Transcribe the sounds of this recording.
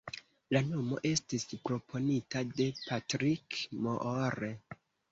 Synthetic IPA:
lano̞mo̞̰ʔe̞stispɾo̞pʰo̞nitade̞pʰatɾikmoʔoɾe

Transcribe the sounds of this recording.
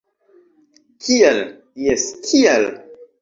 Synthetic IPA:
kʰiel | jeskʰial

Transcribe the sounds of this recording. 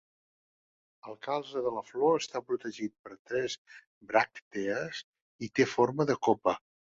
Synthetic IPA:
əlˠkalˠzəðələfloəst̪apɾut̪əʒit̪̚pəɾt̪ɾɛz | bɾakt̪eəz | it̪efoɾməðəkopə

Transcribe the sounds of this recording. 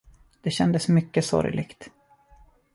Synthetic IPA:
d̪̥ɛɕɛnd̪əsmʏkːəsɔ̰ɾjlʔɪ̰ɡt̪

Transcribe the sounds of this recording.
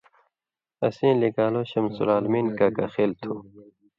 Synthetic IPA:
ɐsĩːliɡaːloːɕɐmsṵlaːlmiːnkakɐ̰xeːlt̪ʰuː

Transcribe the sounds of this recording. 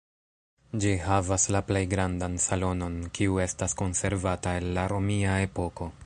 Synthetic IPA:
d͡ʒiɦavaslaple̞jɡɾandansalo̞no̞nkiue̞stasko̞nse̞ɾvatae̞lːaɾo̞miae̞po̞ko̞

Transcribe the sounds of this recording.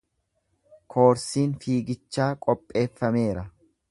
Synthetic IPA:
kʰo̞ːɾsiːnfiːɡɪt͡ʃːaːkʼɔpʼːe̞ːfːɐme̞ːɾɐ

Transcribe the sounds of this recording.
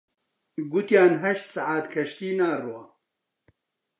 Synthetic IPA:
ɡʊt̪jaːnɦɐʃsaʕaːt̪kʰɐʃt̪iːnaːrwa

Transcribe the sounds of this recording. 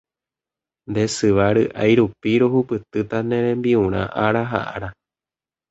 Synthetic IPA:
nd̪esɨʋaɾɨʔa̰jɾupiɾohupɨt̪ɨt̪anẽɾẽmbiũɾ̃ã̰ʔaɾaɦa̰ʔa̰ɾa

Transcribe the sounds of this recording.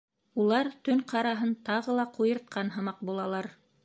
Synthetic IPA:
ulˠɑɾt̪ɵɴqʰɑɾɑɦɤnt̪ɑʁɤlˠɑqʰujɤ̆ɾt̪̚qʰɑnɦɤ̆mɑq̚bulˠɑlˠɑɾ

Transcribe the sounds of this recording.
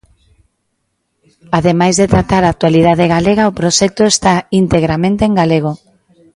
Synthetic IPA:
aðemajzðet̪ɾat̪aɾaːk̚t̪walið̞aðeɣaleɣaopɾoʃɛk̚t̪oest̪aint̪eɣɾamẽnt̪eeŋɡaleɣ̞o

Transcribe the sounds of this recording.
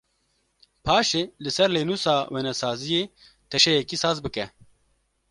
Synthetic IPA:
pʰaːʃeːlɨsɛɾleːnuːsaːweːnɛsaːzijeː | t̪ʰɛʃɛjɛkisaːzbɨkɛ

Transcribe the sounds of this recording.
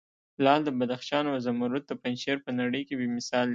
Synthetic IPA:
lɑld̪əbad̪axʃɑnazamaɾut̪̚d̪əpanʃeɾpənaɽəjkebemɪsɑld̪

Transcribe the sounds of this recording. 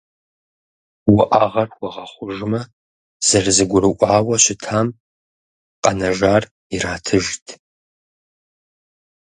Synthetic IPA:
wʊʔaːʁɐrwɔʁɐχʷʊʒmɐ | z̥ɐrzɨɡʷʊɾɨʔʷʼaːwɐɕɪtʰaːm | qʼɐnɐʒaːr | iraːtʰɨʒtʰ

